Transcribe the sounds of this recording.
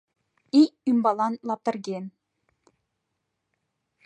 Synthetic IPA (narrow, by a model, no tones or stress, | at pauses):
iymbɑlˠɑnlˠɑp̚t̪ɤ̆ɾɡʲen